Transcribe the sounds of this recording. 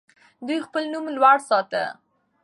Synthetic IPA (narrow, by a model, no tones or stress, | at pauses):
d̪ujxpəlnumlwaɽsɑt̪ə̰